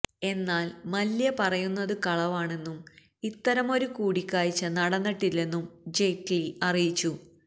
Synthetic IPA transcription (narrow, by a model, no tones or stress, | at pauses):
e̞nːaːlmɐljɐpɐrɐjunːɐðɨkɐɭɐʋaːɳe̞nːum | it̪ːɐɾɐmo̞ɾukuːɽikʲːaːjit͡ɕːɐnɐɽɐnːɐʈːilːe̞nːumd͡ʑe̞ːkliɐrijit͡ɕːu